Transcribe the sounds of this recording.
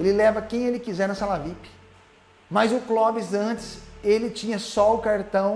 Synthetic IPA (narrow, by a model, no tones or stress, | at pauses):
elɪlɛvɐkẽj̃elɪkizɛɾnɐsalavipɪ̥ | mɐzʊklɔbɪzɐ̃t͡ʃɪ̥selɪt͡ʃĩɲɐsɔʊkaɾt̪ɐ̃w̃